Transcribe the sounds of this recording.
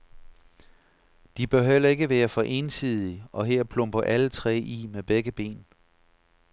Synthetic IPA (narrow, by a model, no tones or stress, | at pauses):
d̥ib̥ɶɐɦel̰ɐe̝ɡ̥əʋæːɐfɒ̽ʔe̝nsið̞̰ˠiɒ̽ɦeɐ̰pʰlɔ̽mb̥ɐʔælət͡sʰʁɛ̰ːʔimeb̥eɡ̥əb̥e̝̰ːn